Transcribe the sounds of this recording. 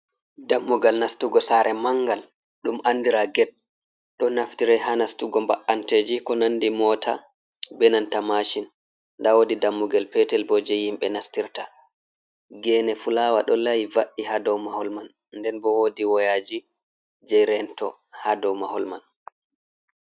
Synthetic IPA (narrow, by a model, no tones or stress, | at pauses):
damːuɡalnastuɡɔsaɾʔɛmaŋɡal | ɗumʔandiɾaɡɛd̚ | ɗɔnaftiɾɛɦanastuɡɔmbaʔːanted͡ʒikɔnanːdimɔtʰa̰ | bɛnantamaʃinː | dawodidamːuɡalpɛtɛlbɔd͡ʒɛhimɓɛnastiɾta | ɡɛːnɛfulaːwaɗɔlajivaʔihadɔwmahɔlman | ndɛnbɔwodiwɔjad͡ʒi | d͡ʒɛjɾɛntɔ | hadɔwmahɔlman